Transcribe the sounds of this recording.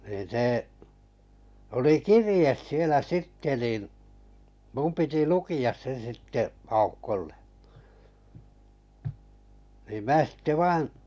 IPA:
niːn̞ seˑ oli kirĭjes sielæ sitːe niˑn mum piti lukiɑs se sitːe ɑukːolːe niː mæː sitːe ʋɑin̞

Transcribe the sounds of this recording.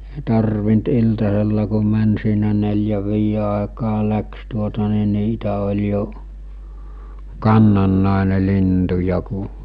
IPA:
eˑi tɑrʋint iltɑselːɑ ku mæn siːnæ nelʲjæʋ ʋiːje ɑˑekɑː læks tuotɑ ni niːtæ olʲ jo kɑnːɑnːɑˑene lintujɑ ku

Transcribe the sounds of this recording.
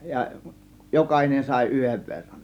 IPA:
jɑ jokɑhinen sɑˑe̝ yheʋ ʋerːɑn

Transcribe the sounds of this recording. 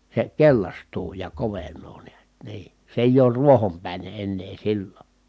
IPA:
se kelʲlɑstuː jɑ koʋenˑoː niæt niː se eˑij oːr ruohompæˑine enːeː silːo

